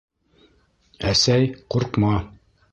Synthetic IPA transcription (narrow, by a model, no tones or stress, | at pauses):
æsæjquɾqmɑ